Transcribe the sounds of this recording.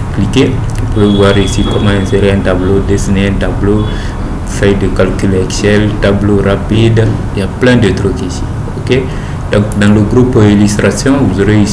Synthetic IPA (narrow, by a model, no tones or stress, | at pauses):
klike | vupuvevwaɾisikɔmãɛ̃seɾeɛ̃ntablodesineɛ̃tablo | fɛjdəkalkylɛksɛltabloɾapidijaplɛ̃dot̪ɾokisi̥ | oke | dɔ̃ŋkdãləɡɾupilyst̪ɾasjɔ̃vuzoɾei